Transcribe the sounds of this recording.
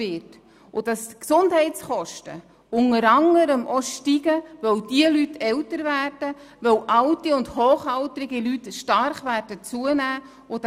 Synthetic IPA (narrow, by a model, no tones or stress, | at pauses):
ɪt | ʔʊd̥ɑsksʊndɦɛɪtt͡sχɔʃtə̰ | ʊŋəɾɑŋəɾəmʔɔʃtiɡəʋœwdiəlytʰɛwtəɾvæːrd̥ə | ʋœwʔɑwtiʊndhoːχɑltɾɪɡilytʃtɑɾχʋæːrd̥ət͡suənæː | ʊd